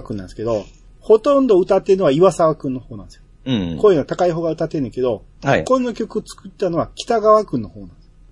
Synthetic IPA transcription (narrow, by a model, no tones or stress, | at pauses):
kɯ̟nːã̰nsɨ̥ke̞d̪o̞ | ho̞t̪õ̞nd̪o̞ɯ̟t̪at̪ːe̞ɾɯnoβaiβasaβakɯ̟̃nːo̞ho̞ːnãnd̪sjo | koːinoat̪akaiɦo̞ːɡaɯ̟t̪at̪ːe̞ɾɯ̃ŋke̞d̪o̞koɲʲinokʲo̞kɯ̟ot͡sɨ̥kɯt̪ːano̞βakʲi̥t̪aɡaβakɯ̟̃nːo̞ho̞ːnãnd̪es